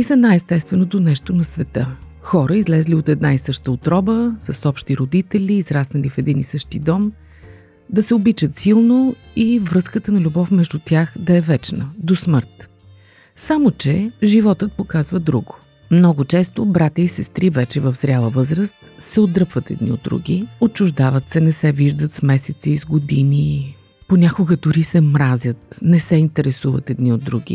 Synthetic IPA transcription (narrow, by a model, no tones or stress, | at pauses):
isɐnajɛst̪ɛst̪vɛnot̪onɛʃt̪onɐsvɛt̪ə | xɔɾəizlɛzliot̪ɛd̪naisɤʃt̪əot̪ɾɔbəsɐsɔpʃt̪iɾod̪it̪ɛlʲiːzɾasnɐlifɛd̪inisɤʃt̪id̪ɔm | d̪ɐsɛobit͡ʃət̪silˠnoivɾɤskət̪ənɐlʲubɔfmɛʒd̪ut̪ʲjaxd̪ɐɛvɛt͡ʃnəd̪osməɾt̪ | samot͡ʃɛʒivɔt̪ət̪̚pokazvəd̪ɾuɡʊ̥ | mnɔɡʊt͡ʃɛst̪obɾat̪ʲəisɛst̪ɾivɛt͡ʃɛvəfzɾʲalˠəvɤzɾəst̪sɛod̪ɾɤpvət̪ɛ̰d̪nḭo̰d̪ːɾṵɡʲiot͡ʃʊʒd̪avət̪sɛnɛsɛviʒd̪ət̪smɛsɛt̪siːzɡod̪ini | ponʲakoɡəd̪ʊɾisɛmɾazʲət̪nɛsɛint̪ɛɾɛsuvət̪ɛd̪niod̪ːɾuɡʲḭ